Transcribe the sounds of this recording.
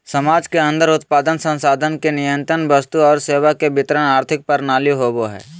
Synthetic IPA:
sɐmaːd͡ʒkeə̃nd̪əɾʊt̪̚paːd̪ənsə̃nsaːd̪ʱənkenɪjə̃nt̪ɾənbəst̪uɔːɾseːʋakebɪt̪ɾənaːɾt̪ʰɪk̚pəɾnaːliɦoːboɦɛ̰ː

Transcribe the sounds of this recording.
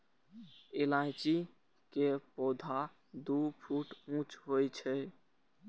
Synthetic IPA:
elãjt͡ʃi | kepɔd̪ʱa | d̪upʰuʈũt͡ʃɦojt͡ʃʰɛ

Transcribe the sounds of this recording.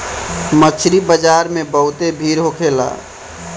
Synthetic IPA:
mət͡ʃʰɾibəd͡ʒaːɾmẽbəɦʊt̪ebʱiːɾɦokʰeːla̰ː

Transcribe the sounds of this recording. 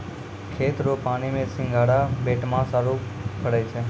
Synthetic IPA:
kʰet̪ɾopaɽ̃imesɪ̃ŋɡʱaɽabeʈmãsaɾukʰəɽajt͡ʃʰe

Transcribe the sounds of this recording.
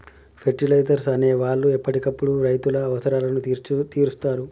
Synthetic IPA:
pʰe̞ɾʈilɐjzɐɾsɐne̞ːʋaːɭːuɛpːɐʈikɐpːuɽuɾɐjt̪ulɐːʋɐsɐɾaːlɐnut̪iːɾust̪aːɾu

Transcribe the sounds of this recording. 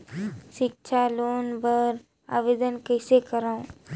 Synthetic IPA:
ʃɪkt͡ʃʰaloːnbəɾ | a̰ːʋeːd̪ənkəːsekəɾaũ

